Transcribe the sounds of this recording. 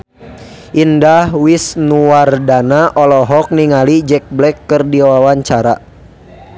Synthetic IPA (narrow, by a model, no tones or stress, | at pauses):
ʔindahwisnuardanaʔɔlɔɦɔk̚niŋalid͡ʒɛk̚blɛkːərdiwawaɲt͡ʃaɾa̰